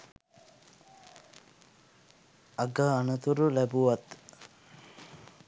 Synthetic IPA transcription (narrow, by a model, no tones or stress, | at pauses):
aɡəanət̪uɾulæbuʋat̪